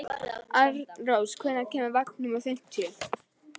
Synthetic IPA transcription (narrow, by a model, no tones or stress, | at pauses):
aɾrowskʰvɛnːacɛːmavaknʏmawθejn̥t̪ʰʏl̥